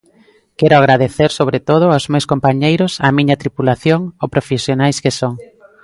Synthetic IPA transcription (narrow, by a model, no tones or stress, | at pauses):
kɛɾʊaɣɾaðeθeɾsoβɾet̪oð̞ʊawzmewskompaɲejɾʊsamĩɲɐt̪ɾipulaθjoŋopɾofesjonajskesoŋ